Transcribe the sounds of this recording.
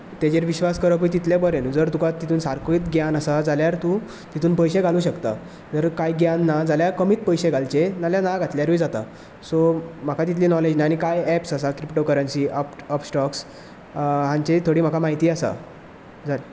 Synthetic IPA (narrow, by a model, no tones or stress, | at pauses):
t̪ed͡ʑeɾʋiɕʋaskəɾəp̬əit̪̬it̪ljebəɾend͡zəɾt̪ukat̪it̪ʰuːnsaɾkiːt̪ɡjanasad͡zaljaɾt̪ũ | t̪it̪ʰuːnpəjɕeɡʱaluːɕəkt̪a̰ | d͡zəɾkajɡjanːad͡zaljaɾkəmiːt̪pəjɕeɡʱalt͡ɕenaljanaɡʱat̪ljaɾujd͡zat̪a̰ | som̤akʰat̪it̪liːnɔled͡ʑnaanikajɛpsasakɾipʈokəɾənsiːəpəpsʈɔks | ɦãɲt͡ɕet̪ʰoɽiːm̤akʰamaɦit̪iːasa̰ | d͡za